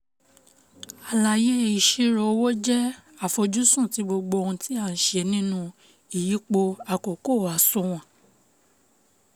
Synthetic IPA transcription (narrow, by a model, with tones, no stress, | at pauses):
a˨la˧˨je˦i˨ʃe˦ɾɔ˨˧˦wo˦d͡ʒɛ˦ | a˦˨fo˧d͡ʒu˦sũ˦˨ti˨˦bo˧ɡ͡bo˧o˧hũ˧tʰi˦a˦˨n̩˨ʃɛ˧˨nĩ˦nũ˦ | i˨ji˨˦k͡po˧a˨ko˨ko˦˨a˨sɔ̃˧˦w̃ã˨